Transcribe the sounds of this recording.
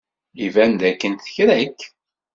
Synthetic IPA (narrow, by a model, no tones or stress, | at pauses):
ivænd̪ækːənt̪θə̥çɾækː